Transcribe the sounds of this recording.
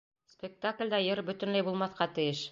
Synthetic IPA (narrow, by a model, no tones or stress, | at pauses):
spʲek̚t̪aklʲd̪æjɤɾbɵ̆t̪ɘ̆nlæjbulˠmɑθqɑt̪ɘ̆jɘʃ